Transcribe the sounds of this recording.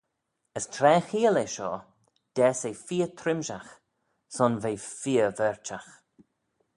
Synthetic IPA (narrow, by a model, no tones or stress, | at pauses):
əstʰɾɛːxiːəleʃɔ̰ː | d̪̥ɛːsejfiːət̪ʰɾɪmʃax | sɔnveːfiːəvɛɹt͡ʃax